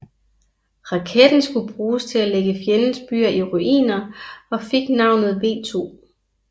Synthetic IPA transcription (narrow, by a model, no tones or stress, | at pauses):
ʁɑ̈kʰed̥n̩sɡ̥ub̥ʁuːst͡sʰe̝læleɡ̥əfjenən̩sb̥y̰ːɐiʁuʔḭːnɐɒ̽fe̝ɡ̥nɑ̈ʊ̰nð̩ˠʋe̝̰ːt͡sʰo̝̰ː